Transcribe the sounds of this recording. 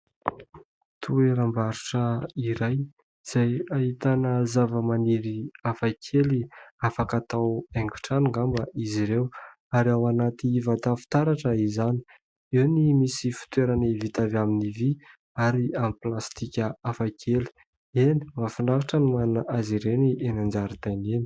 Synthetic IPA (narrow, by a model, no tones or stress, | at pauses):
t̪ʰueɾambaɾuʈ͡ʂəiɾaj | z̥ajaɦit̪anəzavəmaniɾiafakʰeliafakat̪aweŋɡu̥ʈ͡ʂanuŋɡambəʔiziɾew | aɾiawanat̪iivat̪afi̥t̪aɾaʈ͡ʂəizani̥ | iwnimisifi̥t̪weɾanivit̪avaminivi | aɾiamiplast̪ikʲəafakʰeli̥ | eni̥mafinɖ͡ʐavaʈ͡ʂənimanunaʔaziɾenienand͡ʒaɾit̪ajneni̥